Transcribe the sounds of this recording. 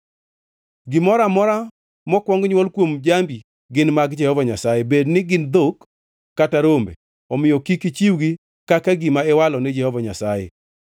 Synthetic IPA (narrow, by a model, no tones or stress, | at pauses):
ɡɪmɔɾamɔɾa | mɔkwɔŋɡɲwɔlkwomd͡ʒambi | ɡɪnmaɡd͡ʒɛhɔvaɲasajebednɪɡɪnd̪okː | ataɾombḛ | ɔmɪjɔkikit͡ʃiwɡi | kakaɡɪmaɛwalɔnɪd͡ʒɛhɔvaɲasajḛ